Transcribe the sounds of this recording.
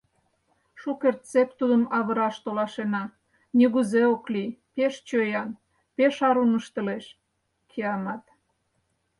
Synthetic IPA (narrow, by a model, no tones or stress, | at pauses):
ʃukert̪t͡sep̚t̪ud̪əmɑβə̆ɾɑʃt̪olɑʃenɑ | nʲiɣuzeoklipeʃt͡ɕøjɑn | peʃɑɾunəʃt̪əleʃ | kʰiɑmɑt̪